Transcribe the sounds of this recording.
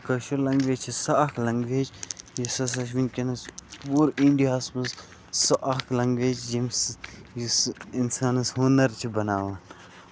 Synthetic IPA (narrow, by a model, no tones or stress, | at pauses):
kɐʃulɐŋɡʋet͡ʃʰisɐɐklɐŋɡʋeːd͡ʒjisɐs̬ɐʃʋinkʲinɐspuːɾiɳɖiɐsmɐs | sɐʔɐklɐŋɡʋeːd͡ʒd͡ʒimsjisinsaːnɐshoːnɐɾt͡ʃʰibɐnaːʋaːn